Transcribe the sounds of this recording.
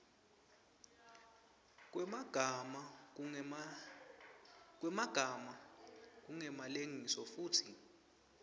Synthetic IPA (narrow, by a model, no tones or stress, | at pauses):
k̬ʼɡ̥ʱma | k̬wɛmaɡ̥ʱamak̬uŋɛmaleŋisɔfuːtʰi